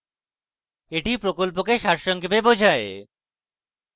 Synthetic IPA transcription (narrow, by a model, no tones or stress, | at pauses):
eʈipɾokolp̬okeʃaɾʃɔŋkebebod͡ʑʱae